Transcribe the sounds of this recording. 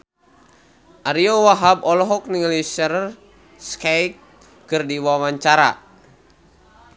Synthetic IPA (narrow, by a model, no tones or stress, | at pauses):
ʔaɾiɔwaɦabɔlɔɦɔk̚niŋlisər | skajkː | ɨrdiwawaɲt͡ʃaɾa̰